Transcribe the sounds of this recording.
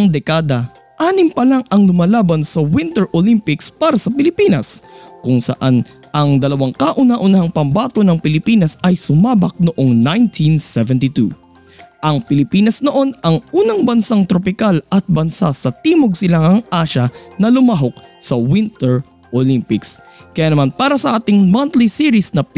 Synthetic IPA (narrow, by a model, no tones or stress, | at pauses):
ɐŋd̪ɛkaːd̪ɐ | ʔaːnɪmpɐlaŋɐŋlʊmalaːbɐnsɐwɪnt̪ɛɹʔolimpɪkspaːɾɐsɐpɪlɪpiːnɐskʊŋsɐ̰ʔan | ʔɐŋd̪ɐlɐwaŋkaʔʊnaʔʊnahɐŋpɐmbaːt̪o̞nɐŋpɪlɪpiːnɐsɐjsʊmaːbɐk̚noʔo̞ŋnajnt̪ʰinsɛvɛnt̪ɪt̪ṵ | ʔɐŋpɪlɪpiːnɐsnoʔo̞nɐŋʔuːnɐŋbɐnsaŋt̪ɾopɪkalɐt̪̚bɐnsa̰sɐt̪iːmoɡ̚sɪlaŋɐŋʔaːʃɐnɐlʊmaɦo̞k̚sɐwɪnt̪ɛɹ | ʔolimpɪks | kɐjaːnɐmanpaːɾɐsɐʔaːt̪ɪŋmant̪lisiɾɪsnɐ